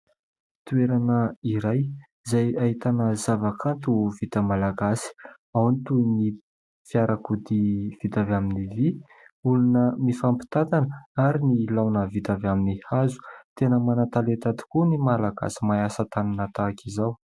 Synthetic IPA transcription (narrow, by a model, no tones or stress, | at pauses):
t̪ueɾanəiɾaj | zajaɦit̪anəzavakʰant̪uvit̪əmalaɡasi̥ | awnit̪uni | fiaɾakud̪iv̥it̪avaminivi | ulunəmifampi̥t̪at̪anəaɾinilawnəvit̪avaminihazu̥t̪enəmanat̪alet̪ad̪i̥kunimalaɡa̰si̥maasət̪aninat̪akizaw